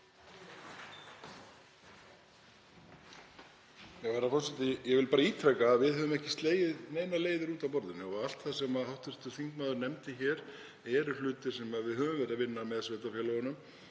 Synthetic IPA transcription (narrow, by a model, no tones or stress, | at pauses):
jɛɣvaːɾafɔ̥sɛt̪ɪjɛɣvɪlpaːɾaiːt̪ʰɾɛkaːðvɪðɦœːvʏmɛhcɪ̥st̪leːjɪðneːjnaleːjðʏɾuːt̪avpɔɾðɪnɪɔɣal̥t̪θasɛmaðhawht̪ɪr̥t̪ʏ̥θiŋkmaːðʏɾnɛmt̪ɪçɛːɾ | ɛɾʏlʏːt̪ɪ̥sɛmaðvɪðɦœːvʏmvɛɾavɪnːamɛðsveːt̪afjɛlɔɣʏnʏm